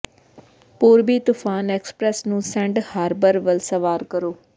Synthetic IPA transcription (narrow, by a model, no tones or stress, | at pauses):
poːɾbiːt̪ʊːpʰaːnɛːkspɾɛːsnũːsɛ̃ːɳɖhaːɾbəɾʋəlsəʋaːɾkəɾoː